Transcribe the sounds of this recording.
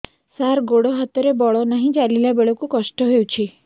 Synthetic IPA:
saɾɡoɽɔɦat̪ɔɾebɔɭɔnaɦĩd͡ʒalilabeɭɔkukɔʃʈɔɦewt͡ʃʰi

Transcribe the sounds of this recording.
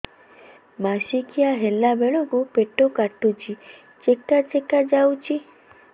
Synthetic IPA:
maʃikiaɦelabeɭoɡupeʈokaʈut͡ʃʰi | t͡ʃekat͡ʃekad͡ʒawt͡ʃʰi

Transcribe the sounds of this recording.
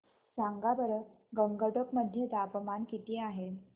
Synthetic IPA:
saŋɡabəɾə | ɡəŋɡəʈəkməd̪ʱːjed̪apəmankit̪iːaɦe

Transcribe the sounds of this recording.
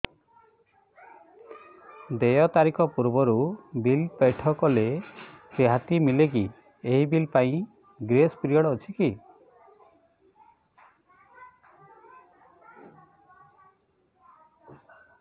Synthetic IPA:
d̪ejɔt̪aɾikɔpuɾbɔɾubilpeʈʰɔkɔleseɦat̪imilek̬i | eɦibilpaĩ | ɡɾespɾijɔɽɔːt͡ʃʰiki

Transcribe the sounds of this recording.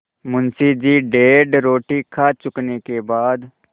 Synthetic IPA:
mʊnsid͡ʒiːɖeːɖɾoːʈikʰat͡ʃʊknekebaːd̪

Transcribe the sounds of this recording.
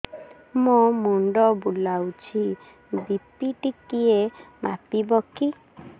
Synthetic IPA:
momuɳɖɔbulawt͡ʃʰi | bipiʈikiema̰pibɔki

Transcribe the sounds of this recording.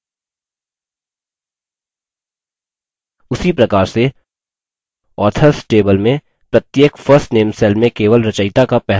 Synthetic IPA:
ʊsipɾɐkaːɾse | ɔːt̪ʰəɾsʈeːbəlmẽ | pɾɐt̪jeːkfəɾsʈneːmsɛːlmẽkeːʋəlɾɐt͡ʃəɪt̪akapɛɦ

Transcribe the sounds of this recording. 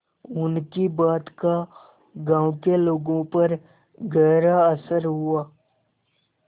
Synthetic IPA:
ʊnkibaːt̪ka | ɡãːʊkeloːɡõpɐɾ | ɡɛːɾaɐsəɾɦʊaː

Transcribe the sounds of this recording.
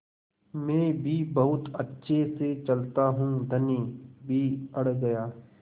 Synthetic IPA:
mɛ̃ːbʱibɐɦʊt̪ɐtːʃʰeset͡ʃɐlt̪aɦũːd̪ʱɐniːbʱiɐɽɡɐjaː

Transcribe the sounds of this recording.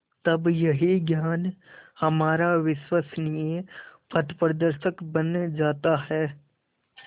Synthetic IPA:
t̪ɐbjɐɦiɡjaːnhɐmaːɾaʋɪʃwasnijepɐt̪pɾəd̪əɾʃəkbɐnd͡ʒaːt̪aɦɛː

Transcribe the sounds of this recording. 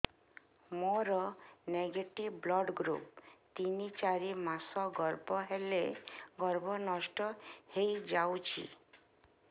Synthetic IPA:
moɾɔneɡeʈibblɔɖɡɾṵpt̪init͡ʃaɾimasɔɡɔɾbɔɦeleɡɔɾbɔnɔsʈɔhejd͡ʒawt͡ʃʰḭ

